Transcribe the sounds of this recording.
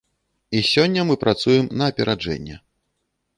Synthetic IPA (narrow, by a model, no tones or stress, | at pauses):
isʲɔnʲːɐmɨpɾat̪sujɛmnɐːpʲɛɾad͡ʐɛ̰nʲːɛ̰